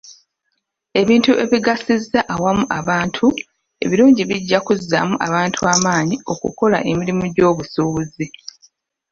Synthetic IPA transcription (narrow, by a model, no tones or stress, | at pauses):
e̞βiːntuʔe̞βiɡasizaʔawamuʔaβaːntʰu | e̞̰βiɾuːɲɟiβiɟːakuza̰muʔaβaːntʰuaːmaːɲio̞kṵko̞la̰ʔe̞miɾimuɟo̞ːβusuuzi